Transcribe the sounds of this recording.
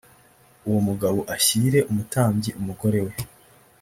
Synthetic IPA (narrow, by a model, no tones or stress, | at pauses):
uwomuɡaβoʔaçiɾe̞ʔumutaːmɟiʔumuɡo̞ɾe̞we̞